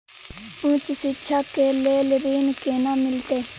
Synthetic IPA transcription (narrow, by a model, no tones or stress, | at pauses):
ũːt͡ʃsɪʃʰaːkeːleːlɾiːnkeːnãːmɪlt̪eː